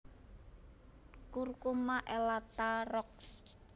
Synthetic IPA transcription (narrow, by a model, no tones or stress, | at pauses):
kurkumaʔɛlat̪arɔk̚s